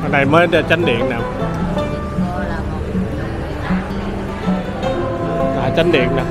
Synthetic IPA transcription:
ɗa˨˩jməː˨˦˧t͡ɕa˧nɗḭ˧˨ənnaː˨˩w | t̪a̰ː˧˨˩jt͡ɕə˧nɗḭ˧˨ənaː˨˩

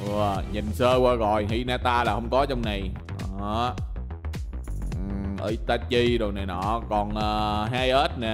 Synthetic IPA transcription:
ʔɨ˧˩əɲi˨˩nsəː˧kwaː˧ɣɔ̰˧˨jɦi˧naː˧t̪aː˧laː˨˩hə˧wŋ͡mkɔ˨˦t͡ɕɔ˧wŋ͡mna˨˩j | ʔəː˧˨˦ | ʔə̰ː˧˦t̪aː˨˦t͡ɕi˧ɗo˨˩na˨˩jnɔ˧˩kɔ˨˩nʔəː˨˩ɦaː˧jʔə˦˥t̚nɛ˨˩

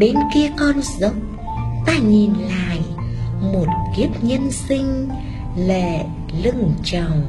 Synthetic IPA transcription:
ɗe˨˦nki˧əkɔ˧nzə˨˦˥k͡p̚ | t̪aː˧ɲi˨˩nla̰a̰ː˧˨j | mo˨˩t̚ki˦˥əp̚ɲə˧nsï˧ŋ̟ | le˧˩˨ | lɨ˧ŋt͡ɕə˨˩wŋ͡m

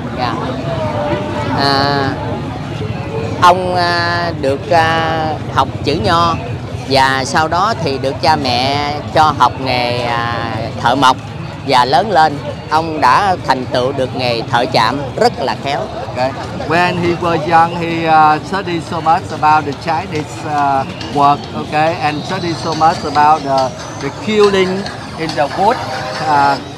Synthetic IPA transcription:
ɲaː˧˩ | ʔəː˨˩ | ʔə˧wŋ͡m | ɗɨ˨˩ək̚ʔ | ha˨˩wk͡p̚t͡ɕɨ̰˧˥ɲɔ˧ | vaː˨˩sa˧wɗɔ˨˦t̪ʰi˨˩ɗɨ˨˩ək̚t͡ɕaː˧mɛ̰˧˨t͡ɕɔ˧ɦa˨˩wk͡p̚ŋe˨˩jt̪ʰə̰ː˧˨mə˨˩wk͡p̚ | vaː˨˩ləː˨˦nle˧n | ʔə˧wŋ͡mɗa̰ː˧˥t̪ʰa˨˩jŋ̟t̪ɨ̰˧˨wɗɨ˨˩ək̚ŋe˨˩jt̪ʰə̰ː˧˨t͡ɕa̰ː˧˨mzə˦˥t̚laː˨˩xɛ˨˦wo˨ke˧˦ | wɛ˨ɛ˨nɦi˧wəː˧za˧ŋhi˨sə˦˥ɗi˧so˧ma˦˥tsəba˧wt̚də˨t͡ɕa˧˦jdi˦s | wə˧˨k̚o˧ke˧ɛ˨nsə˦di˧so˧ma˦˥əba˧wt̚də | də˨kʰi˧wli˧ŋ | ʔi˧ntə˧ku˦˥t̚ː

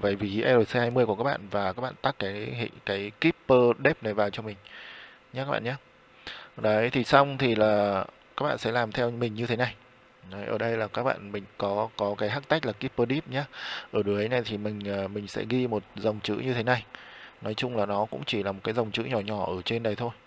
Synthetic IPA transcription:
və˧˩jvi˨˩˨ʔɛ˧lo˨˩se˧aː˧jmɨ˧əjku˧˩ka˦˥ɓa̰˧˨nvaː˨˩kaː˦˥k̚ɓ̰a̰ː˧˨nt̪a˦˥kːaː˨˦jhḭ˧˨kaː˨˦jki˦˥pːəː˧ɗe˦˥p̚na˨˩jvaː˨˩wt͡ɕɔ˧mï˨˩ŋ̟ | ɲa˧˦kaː˦˥ɓ̰ːɲaː˨˦˩ | ɗə˨˦jt̪ʰi˨˩sa˧wŋ͡mt̪ʰi˨˩laː˨˩ | ka˦˥k̚ɓa̰ː˧˨nsɛ̰˧˥laː˨˩mt̪ʰɛ˧wmï˨˩ŋ̟ɲɨ˧t̪ʰe˨˦na˨˩j | jʔəː˧˩ɗə˧jlaː˨˩kaː˦˥k̚ɓa̰ː˧˨nmï˨˩ŋ̟kɔ˨˦kɔ˨˦kaː˨˦jɦaː˦˥k̚t̪a˦˥k̟̚laː˨˩ki˦˥pːəː˧ɗi˦˥p̚ɲaː˨˦ʔəː˧˩ɗɨ˨˦əɗə˨˦na˨˩jt̪ʰi˨˩mï˨˩ŋ̟ʔəː˨˩mï̟˨˩sɛ̰˧˥ɣi˧mo˨˩t̚za˨˩wŋ͡mt͡ɕɨ̰˧˥ɲɨ˧t̪ʰe˨˦na˨˩jnɔ˨˦jt͡ɕʊ˧ŋ͡mlaː˨˩nɔ˨˦kʊ̰˧˥ŋ͡mt͡ɕi˧˩laː˨˩mo˨˩t̚kaː˨˦za˨˩wŋ͡mt͡ɕɨ̰˧˥ɲɔ˧˩ɲɔ˧˩ʔəː˧˩t͡ɕe˧nɗə˨˩jt̪ʰo˧j

